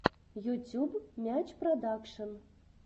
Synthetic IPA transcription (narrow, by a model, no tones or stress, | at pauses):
jutʲubmʲæt͡ɕprod̪akʂən